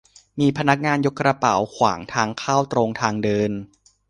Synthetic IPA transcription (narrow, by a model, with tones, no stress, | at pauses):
miː˧pʰa˧na˦˥k̚ŋaː˧njo˦˥kːɾa˧pa̰˩˦wkʰwa̰ː˩˦ŋt̪ʰaː˧ŋkʰaː˥˩wt̪ɾo˧ŋt̪ʰaː˧ŋdɤː˧n